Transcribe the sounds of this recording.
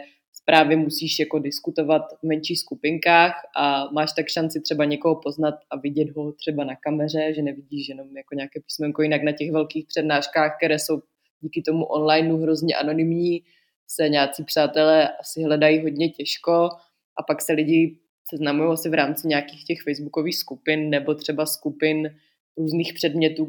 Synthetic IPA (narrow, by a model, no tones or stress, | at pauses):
spɾaːvjɛmusiːʃjakodɪskut̪o̞vat̪vmɛnt͡ʃiːxskupɪŋkaːxʔamaːʃt̪akʃant͡sɪt̪r̥ɛbaɲɛkoɦopo̞znat̪ʔavɪɟɛd̪ɦo̞t̪r̝̥ɛbanakamɛr̝ɛʒɛnɛvɪɟiːʃjɛno̞mjako̞ɲaːkɛːpi̥ːsmɛŋkojɪnaknacɛxvɛlkiːxpr̝̥ɛdnaːʃkaːxkt̪ɛɾɛːso̞w | ɟiːkɪt̪o̞muʔonlajnuɦɾo̞zɲɛʔa̰no̞nɪmɲiː | sɛɲaːt͡siːpr̝̥aːt̪ɛlɛːʔasɪɦlɛdajiɦo̞dɲɛcɛʃko̞ | ʔapaksɛlɪɟɪ | sɛznamujowasɪvɾaːmt͡sɪɲakiːxcɛxfɛjzbuko̞viːxskupɪnnɛbo̞t̪r̝̥ɛbaskupɪn | ɾuːzniːxpr̝̥ɛdmɲɛt̪uː